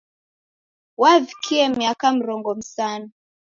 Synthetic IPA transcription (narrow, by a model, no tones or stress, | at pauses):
waðikʰiɛmiakam̩ɾɔŋɡɔm̩sana